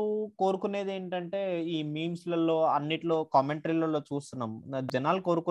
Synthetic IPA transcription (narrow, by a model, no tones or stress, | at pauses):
uko̞ːɾukune̞ːd̪e̞ːɳʈɐɳʈe̞ːiːmiːmslɐlːo̞ːɐnːiʈlo̞ːkɐmeɳʈɾiːlɐlːo̞ːt͡ʃuːst̪unːaːmd͡ʒɐnaːluko̞ːɾuku